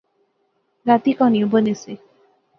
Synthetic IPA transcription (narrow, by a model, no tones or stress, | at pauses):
ɾat̪ikɔniobənesi